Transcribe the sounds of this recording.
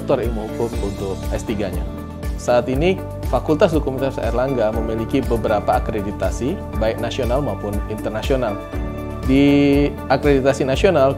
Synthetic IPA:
t̪ɔrjaŋməɦukʊmunt̪ʊk̚ast̪iɡaɲa̰ | saːt̪ini | fakult̪as̬dukumisasa̰ḭrlaŋɡaməmilikibəbəɾapaːkɾedit̪asi | baɪk̚nasionalmaupʊnint̪ərnasional | di | akɾedit̪asinasional

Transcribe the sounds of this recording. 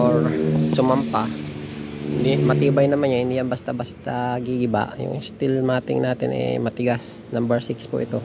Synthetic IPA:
ʔoɹsʊmampa | ɪnd̪imɐt̪iːbɐjnɐmanɲahɪnd̪ijanbɐst̪abast̪aɡiɡɪba̰ʔjʊ̰ŋst̪ɪlmaːt̪ɪ̰ŋnaːt̪ɪ̰nɛ̰mɐt̪ɪɡas | nambɛɹsɪkspʊ̰ʔɪt̪o̞

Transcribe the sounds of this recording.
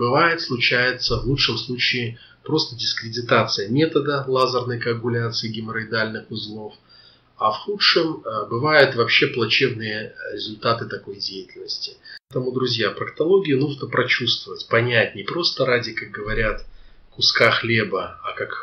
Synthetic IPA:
bɨvajɪt̪slˠʊt͡ɕæjɪt̪səvlˠut͡ʂʂɨmslˠut͡ɕɪː | pɾo̞st̪ədʲɪskɾʲɪdʲɪt̪at̪sɨjəmʲe̞t̪əd̪əlˠazərnəjkəɐkʊlʲat̪sɨɪɡʲɪmʲɾəɪd̪alʲnɨxʊzlˠof | avxuʂɨmbɨvajʊt̪vɐpɕːe̞plˠɐt͡ɕe̞bnɨjəɾʲɪzʊlʲt̪at̪ɨt̪ɐko̞jdʲejɪtʲɪlʲnəsʲtʲɪ̥t̪əmʊd̪ɾʊzʲjapɾəkt̪ɐlˠo̞ɡʲɪɪnuʐnəpɾʔɐt͡ɕust̪vəvətʲpɐnʲætʲnʲɪpɾo̞st̪əɾadʲɪkak̚ɡəvɐɾʲat̪kʊskaxlʲe̞bəakak

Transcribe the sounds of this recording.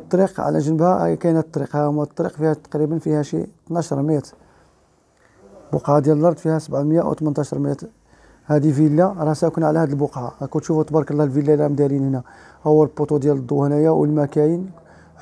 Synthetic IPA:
t̪ˤːɾiqʕa̰læ̰ʒənəbhæ̰kænæt̪ːˤɾiqhæhʊmːæt̪ˤːɾiqfihæt̪ːɑ̥qɾibənfihæʃḭt̪nɑʃɾˤmit̪ | boqʕad̪jæləlʔɑɾˤd̪ˤfihæsəbʕməjːaʔwt̪mənt̪ˤɑʃəɾˤmit̪ | hæd̪ifilːaɾˤɑsækunʕalæhæd̪əlbʊqʕa̰ækut̪ʃufut̪ˤbɑɾˤkəlːæhlvilːælæmd̪ælinhnæ | hʊwːælpːot̪ud̪jæləd̪ˤːohnijawə̰lmækæjin

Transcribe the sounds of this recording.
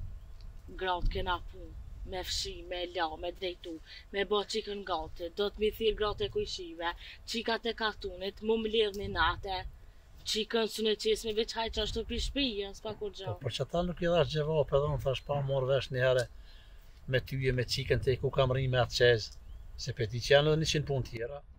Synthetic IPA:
ɡɾat̪̚kɛnapumɛfʃimɛlamɛd̪ɾɛjt̪u | mɛbɔt͡ʃikənɡɔt̪əd̪ɔt̪miθiɾɡɾat̪ɛkujʃivɛt͡ʃikat̪ɛkat̪unit̪mumlɛðninat̪ɛ | t͡ʃikənsunɛt͡ʃɛsmɛvɛt͡ʃhajt͡ʃaʃt̪upiʃpijənspakuɾd͡ʒɔpɔt͡ʃat̪anukiðaʃ̬d͡ʒɛvɔpɛðɛunθaʃpamɔɾvɛʃnihɛɾɛ | mɛt̪yɛmɛt͡ʃikənt̪ɛkukamrimɛat̪t͡ʃɛzsɛpɛt̪̬it͡ʃianɛðɛniʃinpunt̪jɛɾa

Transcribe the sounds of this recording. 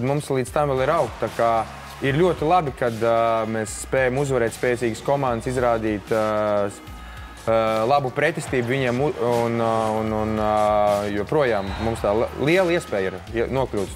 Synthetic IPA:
d̪mumslˠid̪st̪amvɛlˠiɾawkt̪t̪aka | iɾlʲuɔt̪ilˠabikad̪meːsspɛːjamuzʋaɾɛːt̪spɛːt̪siːɡskɔmãnd̪sizɾaːd̪iːt̪ | lˠabupɾɛt̪ʲisʲt̪iːbuviɲiɛmununn | juɔpɾuɔjaːmːumst̪aːliɛlˠiɛspɛːjiɾ | nuɔklʲuːt̪

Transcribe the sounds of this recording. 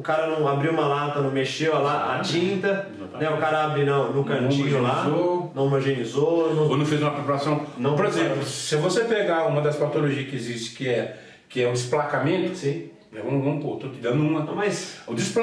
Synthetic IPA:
ʊkaɾɐnɐ̃w̃abɾiwũmɐlat̪ɐnɐ̃w̃meʃewalaa̰t͡ʃĩnt̪ɐ | nɛʊkaɾɐabɾinɐ̃w̃nũnkɐ̃ilaonɐ̃w̃moʒẽnizonɐ̃kõnʊ̃fejzũmɐpɾepaɾasɐ̃w̃nɐ̃w̃poɾezẽplʊsɪvosepeɡaũmɐd̪ɐspat̪oloʒiɐskɪezist͡ʃɪ̥kɪɛ | kɪɛʊd̪ɪsplakamẽnt̪ʊɐsĩ | ɛũɐ̃pot̪okid̪ɐ̃d̪ũmɐɐ̃mɐjsʊd̪isp

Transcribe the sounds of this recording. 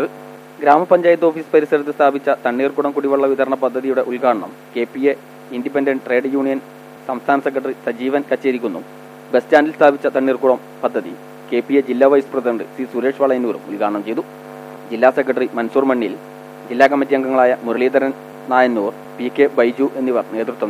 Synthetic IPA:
ɨ | ɡɾaːmɐpɐɲd͡ʑaːjɐt̪ːo̞ːfiːsɨ̥pɐɾisɐɾɐt̪̬ːɨst̪ʰaːbit͡ɕːɐt̪ɐɳːiːrkuɽɐmkuɽiʋɐɭːɐʋid̪ɐɾɐɳɐpɐd̪ʱːɐðijuɽe̞ʔulɡaːɳɐɳɐ̰m | ke̞ːpːije | indipendɐɳɖʈre̞ːɖjuːɳijɐn | sɐmst̪ʰaːnɐsekːrɐʈɐrisɐd͡ʑiːʋɐnkɐt͡ɕːeɾikʲːunːum | bestaːndilst̪ʰaːbʱit͡ɕːɐt̪ɐɳːiːrkuɽɐm | pɐd̪ʱːɐðḭ | ke̞ːpijed͡ʑilːaːʋɐjsu̥prɐðɐɳɖɨ̰sisuɾe̞ːʂʋɐɭɐjɐnːuːɾṵmulkaːɽɐɳɐmt͡ɕe̞jt̪u | d͡ʑilːaːsekːɐʈɐrimɐnsuːrmɐɳːijil | d͡ʑilːaːkɐmːɐt̪̬ːijɐŋɡɐŋːɐɭaːjɐmuɾɐɭiːd̪ɐɾɐn | naːjɐnːuːr | pikːebɐjd͡ʑuʔe̞nːiʋɐrne̞ːt̪rut̪ːʋɐnː

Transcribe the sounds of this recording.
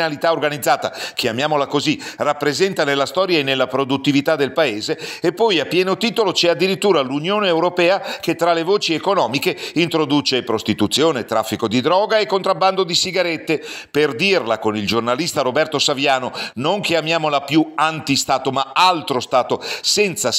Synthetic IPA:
alit̪aorɡanid̪zːaːt̪a̰k̟eamjaːmolakozirapːɾezɛnt̪anelːast̪ɔːɾjaenːelːapɾod̪ut̪ːivit̪ad̪ːelpaeːzeːpːɔjapːjɛːnot̪iːt̪olot͡ʃɛad̪ːiɾit̪ːuːɾalunjoːneːwɾopɛːaket̪ːɾalevoːt͡ʃiekonɔːmikeint̪ɾod̪uːt͡ʃepɾost̪it̪ut̪sːjoːnet̪ɾafːikod̪id̪ɾɔːɡaekːont̪ɾabːand̪od̪isiɡaɾet̪ːeperd̪irlakonild͡ʒornalist̪aɾobɛrt̪osavjaːnonoŋkeamjaːmolapjuant̪ist̪aːt̪omaalt̪ɾost̪aːt̪osɛnt̪sa

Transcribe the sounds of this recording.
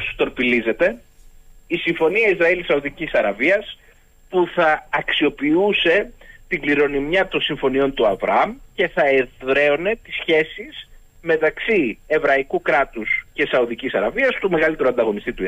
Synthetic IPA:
st̪o̞ɾpilize̞t̪e̞ | isiɱfo̞niɐizɾɐilisɐuðicisɐɾɐviɐs | puθɐːksio̞piuse̞t̪iŋɡliɾo̞nimjɐt̪o̞nsiɱfo̞nio̞nt̪uɐvɾɐ̰ɐmce̞θɐeðɾe̞o̞ne̞t̪i̥sçe̞siz̥ | me̞t̪ɐksie̞vɾɐikukɾɐt̪usce̞sɐuðicisɐɾɐviɐst̪ume̞ɣɐlit̪e̞ɾuoɐnd̪ɐɣo̞nist̪it̪u

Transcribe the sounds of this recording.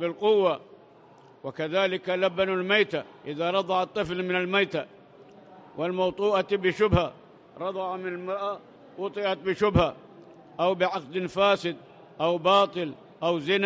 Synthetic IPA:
bɪlqʊwːa | wakaðaːlɪkalabanalmajt̪aʔɪðaɾˤɑd̪ˤɑʕɑt̪ˤːɨflmɪnalmajt̪a | wʔɪlmɑwt̪ˤuːʔabɪʃʊbha | ɾˤɑd̪ˤɑʕɑmɪnalmɑɾˤʔa | wʊt̪ˤɨʔat̪̚bɪʃʊbha | ʔawbɪʕɑq̚d̪ɪnfaːsɪd̪̚ | ʔawbɑːt̪ˤɨl | ʔawzɪn

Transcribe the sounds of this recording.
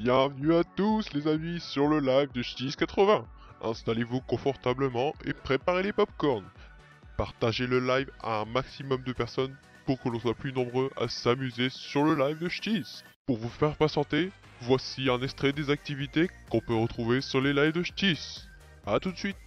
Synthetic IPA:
bjɛ̃vnyat̪uslezamisyʁləlajvd̪əʃt̪iskat̪χəvɛ̃ɛ̰̃st̪alevukɔ̃fɔʁt̪abləmɑ̃ḛpχepaʁelepɔpkɔʁn | paʁt̪aʒeləlajva̰ɛ̃maksimɔmd̪əpɛʁsɔn | puʁkəlɔ̃swaplynɔ̃bʁøʔa̰samyzesyʁləlajvd̪əʃt̪is | puʁvufɛʁpasɑ̃t̪e | vwasiɛ̃nɛkst̪χɛd̪ezak̚t̪ivit̪ekɔ̃pøʁət̪χuvesyʁlelajvd̪əʃt̪is | at̪ut̪sɥit̪

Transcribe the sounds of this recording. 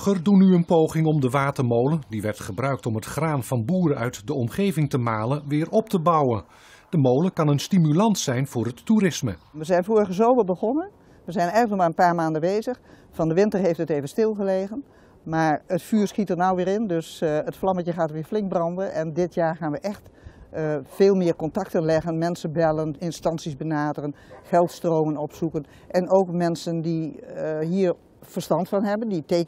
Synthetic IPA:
χərdunyənpowχɪŋɔmdəʋaːtərmowlədiʋɛrtχəbrœɥk̚tɔmɦətχraːnvɑnbuːɾəœɥtdəɔmχejvɪŋtəmaːləʋɪːrʔɔp̚təbɑwən | d̥əmowləkɑnənstimylɑntsɛjnv̥ʊːrɦətːuɾɪsməʋəzɛjnfoːɣəzoːʋəbəɣɔnən | ʋəzɛjnɛjəkɔmaənpaːɹmaːndəʋeːzəx | fɑndəʋɪntərɦeftəteːvənstɪlˠɣəleːɣən | maːɹətfyːɹsxitərnawʋɪːɾɪndøsətflɑməjəxaːtəɹʋɪːɹflɪŋk̚brɑndənʔɛndɪtʰjaːɹxaːnʋəʔɛxt | feːlˠmɪəɹkɔntɑktənlɛɣənmɛnsənbɛlənɪnstɑnsisbənaːdərənχɛlˠtstroːmənɔpsukən | ʔɛnoːkmɛnsəndiɦiːɹ | fərstɑntfɑnɦɛbənditeːk

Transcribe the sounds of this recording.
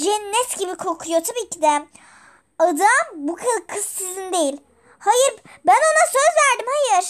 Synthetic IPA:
d͡ʒɛnːɛt̪ɟibikʰo̞ɾkʰujot̪ʰabiːcʰid̪ɛ | ad̪ambukʰakʰɯzːizind̪e̞jilʲ | hajɯɾbæno̞nasø̞zvæɾd̪imhajɯɾ̥

